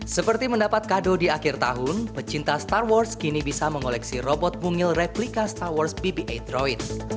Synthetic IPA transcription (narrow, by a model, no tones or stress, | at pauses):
səpərt̪iməndapat̪̚kadodiakɪrt̪a̰ɦʊnbət͡ʃint̪ast̪arwɔrskinibisaməŋolɛksirɔbɔt̪̚muŋɪlrɛplikast̪arwɔrsbibiʔed̪ɾɔit̪̚